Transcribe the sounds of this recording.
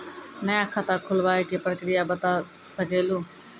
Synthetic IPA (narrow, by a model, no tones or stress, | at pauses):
nəjãːkʰat̪aːkʰʊlʋaːeːkepəɾkɽɪjaːbət̪aː | səɡʱeːloː